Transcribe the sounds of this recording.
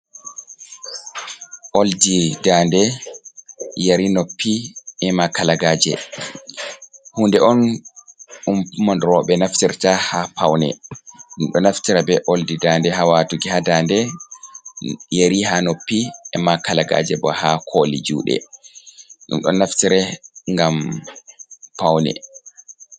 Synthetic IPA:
ʔoldidandɛ | jaɾinopʰːiɛmakalaɡaːd͡ʒɛ̰ | hundɛʔɔn | umpmɔndɾɔɓɛnaftiɾtahapawnɛ̰ɗumɗɔnaftiɾabɛʔoldidandɛhawatuɡihadandɛ | jeɾihanopːiʔɛ̰makalaɡa̰d͡ʒɛbɔ̰hakʰolid͡ʒṵːɗɛ̰ | ɗṵmɗɔ̰nːaftiɾɛŋɡam | pawnɛ̰

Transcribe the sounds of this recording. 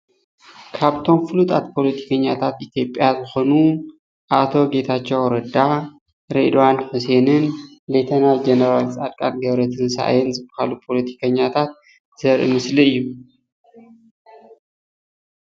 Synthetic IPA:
kʰaβt̪ʰo̞mfɨlut̪ʼat̪pʰo̞lɐt̪ʰi̥kʰɐɲːat̪ʰat̪it̪ʰjo̞pʼjazɨxo̞nu | ʔat̪ʰo̞ɡe̞t̪ʰat͡ʃːɛwɾɐd̪a | ɾed̪owanħuse̞nɨnlet̪ʰɐnajd͡ʒenɐɾalt͡sʼad̪kʼa̰lɡɐβɾɐt̪ʰɨnsa̰ʔa̰jɛnzɨbɨhalupʰo̞lɐt̪ʰi̥kʰɐɲːat̪ʰat̪̚ | z̥ɐɾʔɨ̰mɨsliɨjːu

